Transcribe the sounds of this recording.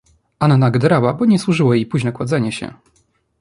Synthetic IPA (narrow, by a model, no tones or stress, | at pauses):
annaɡd̪ɾawabɔɲɛswuʐɘwajejpuʑnɛkwad̪zɛɲɛɕɛ̰